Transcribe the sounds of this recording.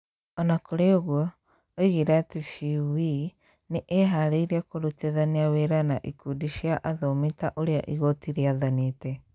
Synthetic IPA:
ɔnakoɾeoɣwɔ | oiɣiɾɛatiʃiwi | neʔeɦaɾeiɾiakoɾuteðaniaweɾanaʔikudiʃiaʔaðɔmitaʔoɾea̰ʔiɣotiɾeaðanetɛ

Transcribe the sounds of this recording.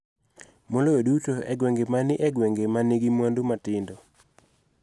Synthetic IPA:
moloodutoɛɡweŋɡemanɪʔɛɡweŋɡemaniɡimwandumatɪndo

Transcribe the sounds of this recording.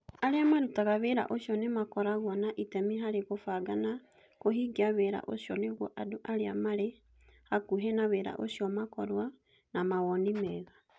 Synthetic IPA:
aɾeamaɾutaɣaβeɾa̰ʔoʃjɔnemakɔɾaɣwanaʔitɛmiɦaɾeɣofaɡana | koɦiɡiaβeɾa̰ʔosjɔneɣwɔʔadoʔaɾea̰maɾe | hakuɦɛnaβeɾa̰ʔo̰sjɔmakɔɾwa | namawɔnimɛɣa

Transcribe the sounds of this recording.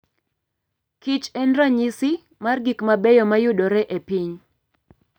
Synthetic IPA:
kit͡ʃɛndraɲisɪ | marɡikmabɛjɔmajʊdɔɾɛʔepiɲ

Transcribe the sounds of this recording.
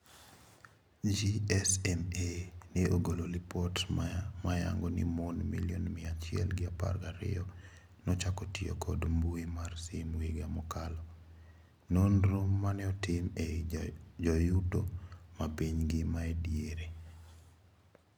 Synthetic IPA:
d͡ʒiɛsɛmeniʔoɡololipɔtmaja̰ŋɡonḭmonmḭlionmɪat͡ʃɪɛ̰lɡɪapa̰rɡaɾɪ̰ɔ | nɔt͡ʃakɔtio̰kɔdmbuimarsimweɡamɔkalɔ | nonɾomːanɛɔtɪme | d͡ʒɔjudomapiɲɡɪmaedjeɾe

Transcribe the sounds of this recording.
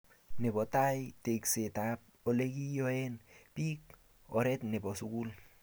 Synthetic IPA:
nebotajteksetap̚oleɡijoenpik̚ | oɾetnebosuɡul

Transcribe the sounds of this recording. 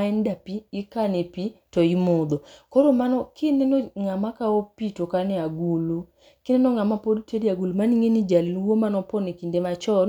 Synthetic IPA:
aɛndapiːkanepitɔimod̪ɔkoɾomanɔkɪnenɔŋamakaopitokanɛaɡulu | kɪnenɔŋamapodteɾiaɡulumaniŋenid͡ʒalinwomanɔpɔnekindemat͡ʃɔn

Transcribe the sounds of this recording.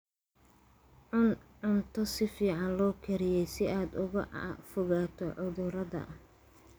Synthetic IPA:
ʕʊnʕʊnt̪ʰɔsɪfiːʕɑnlɔːkʰɐɾɪjɛjsɪaːd̪ʊɣɐ̰fɔɣaːt̪ʰɔʕʊðʊɾɐðɐ̰

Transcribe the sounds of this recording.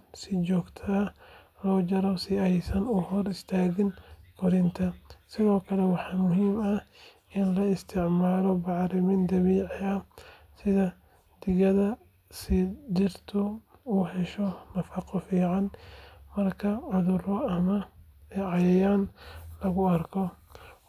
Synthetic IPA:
sɪd͡ʒɔːɡt̪ʰɐɐ | lɔːd͡ʒɐɾɔsɪɐjsɐnuhɔɾɪst̪ʰaːɣɪnkʰɔɾɪnt̪ʰɐsɪðoːkʰɐlɛwɑħɑmʊɦiːmɐ | ɪnlɐɪst̪ʰɪʕmaːlɔbaʕɾɪmɪnd̪ɐβiːʕɪɐ | sɪðɐ | d̪̥ɪɣɐðɐ | sid͡ʒɪɾt̪ʰɔuhɛʃɔnɐfɐqʼɔfiːʕanmɐrkʰɐʕʊðuɾɔɐmɐɛʕajɛjanlɐɣʊɐɾkʰɔ

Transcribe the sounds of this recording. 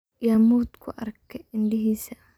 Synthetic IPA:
jaːmuːd̪kʰʊʔɐrkʰɛɪnɖɪɦiːsɐ

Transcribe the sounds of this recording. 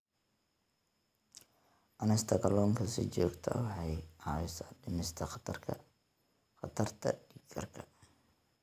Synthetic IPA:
ʔɐnɛst̪ʰɐkʰɐlɔːŋkʰɐsɪ̰t͡ʃɔːɡt̪ʰɐ̰wɑħɑjɑːwɪsɐɖɪmɪst̪ʰɐχt̪ʰɐrkʰɐ | xɐt̪ʰɐrt̪ʰɐ̰ɖiːɡʰɐrkʰɐ̥

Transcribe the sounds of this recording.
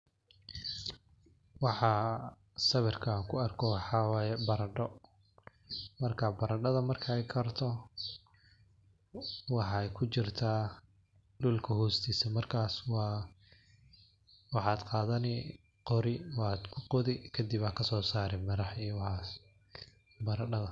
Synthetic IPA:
wɑħɑ | sɐβɛrkʰakʰʊɐrkʰɔħɑwːjɛbɐɾɐɖɔ | mɐrkʰɐbɐɾɐɖɐðɐmɐrkʰɐɛjkʰɐrt̪ʰɔ | wɑħɑjkʰʊt͡ʃɪrt̪ʰaː | ɖuːlkʰɐhɔːst̪ʰiːsɐmɐrkʰaːswɑː | wɑħɑːd̪qɑːðɐnɪ | qɔɾɪwɑːd̪kʰʊqɔðɪkʰɐd̪ɪbaːkʰɐsɔːsaːɾɛmɐɾɐħijwɑhɑːs | bɐɾɐɖɐðɐ

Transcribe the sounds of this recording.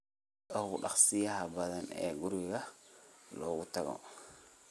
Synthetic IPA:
ɐhʊɖɑ̰χsɪjɐɦɐbɐðɐnɛ̰ːɡʊɾɪɣɐ | lɔːɣʊt̪ʰɐɣɔ̰

